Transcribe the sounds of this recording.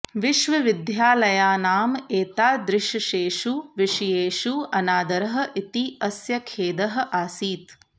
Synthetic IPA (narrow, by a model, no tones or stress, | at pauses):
ʋiʃʋɐʋid̪ʱjaːlɐjaːnaːmeːt̪aːd̪ɾɪʃɐʃeːʃuʋiʃijeːʃuɐnaːd̪ɐɾɐɦɐ̆ʔit̪iɐsjɐkʰeːd̪ɐɦɐ̆ʔaːsiːt̪